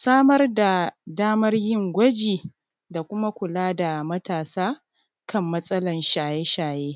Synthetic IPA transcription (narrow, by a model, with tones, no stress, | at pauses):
saː˦mɐ˦rda˨daː˦mɐ˦rjɪ˦ŋɡʷɐ˦d͡ʒiː˨ | da˨kʷʊ˦ma˦kʷʊ˨laː˦da˨mɐ˦taː˨saː˦ | kɐ˦mːɐ˦sʼɐ˦lɐ˨nʃaː˨je˦ʃaː˨jeː˦